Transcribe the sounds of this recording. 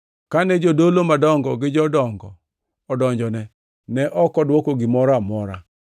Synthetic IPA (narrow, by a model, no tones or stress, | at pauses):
kanɛd͡ʒodolomadɔŋɡɔɡɪd͡ʒɔdɔŋɡɔ̰ː | dɔɲd͡ʒɔnɛ | nɛʔɔkɔdwokoɡɪmɔɾamɔɾa̰